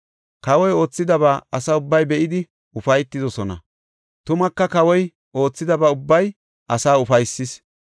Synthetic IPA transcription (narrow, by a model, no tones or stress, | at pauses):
kɐwɔjo̞ːt͡sːɪd̪ɐβaːɐsɐʊbːɐjbɛʔɪd̪ɪ | ʊfɐjt̪ːɪd̪ɔsɔnɐ̰ | t̪ʊmɐkːɐkɐwɔj | o̞ːt͡sːɪd̪ɐbaːʊbːɐj | ʔɐsaːʊfɐjsːɪs